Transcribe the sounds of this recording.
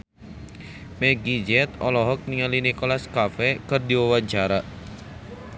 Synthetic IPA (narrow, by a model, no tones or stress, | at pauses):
mɛɡid͡ʒɛt̪ɔlɔɦɔk̚niŋalinikɔlaskafɛkɨrdiwawaɲt͡ʃaɾa